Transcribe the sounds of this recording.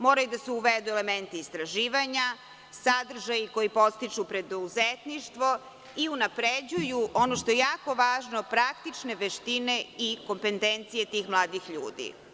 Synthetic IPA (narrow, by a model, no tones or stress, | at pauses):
moːɾajud̪aseuʋed̪uelement̪iːst̪ɾaʒiːʋaɲa | sad̪r̩ʒajiko̞jipo̞st̪it͡ʃupɾed̪ouzet̪niʃt̪ʋo̞ | iunapɾed͡ʑujuʔonoʃt̪o̞jejaːko̞ʋaːʒnopɾakt̪it͡ʃne̞ʋeʃt̪ine̞iko̞mpent̪ent̪sije̞t̪iːxmlˠaːd̪ixʎuːd̪ḭ